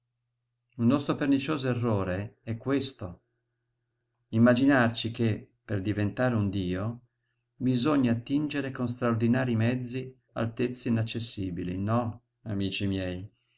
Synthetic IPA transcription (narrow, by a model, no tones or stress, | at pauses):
unːɔst̪ɾopernit͡ʃoːzoerːoːɾeɛkːwest̪o | imːad͡ʒinart͡ʃikepːerd̪ivent̪aːɾeund̪iːo | bizoɲːaːt̪ːind͡ʒeɾekons̬t̪ɾaord̪inaːɾimɛd̪zːi | a̰lt̪et̪sːeinat͡ʃːesːiːbilḭnɔ | amiːt͡ʃimjɛːj